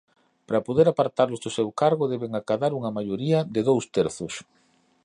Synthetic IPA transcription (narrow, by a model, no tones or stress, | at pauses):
pɾapoðeɾapaɾt̪aɾlʊzðʊsewkaɾɣʊðɛβeŋakaðaɾuŋɐmaʎoɾiɐd̪ɪðowst̪eɾθʊs